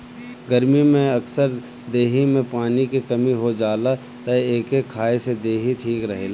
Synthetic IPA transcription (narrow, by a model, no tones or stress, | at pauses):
ɡɐɾmimẽɐksəɾ | d̪eːɦimẽpaːnikikɐmiɦod͡ʒaːla | t̪ɐeːkekʰːaːesed̪eːɦit̪ʰiːkɾɐɦeːlaː